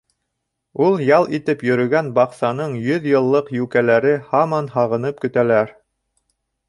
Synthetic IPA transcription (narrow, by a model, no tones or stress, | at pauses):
ulˠjɑlˠit̪ɘpjɵ̆ɾɵ̆ɡænbɑqsɑnɤɴjɵðjɤ̆lˠːɤqjʉkælæɾɘhɑmɑnhɑʁɤ̆nɤp̚kɵ̆t̪ælæɾ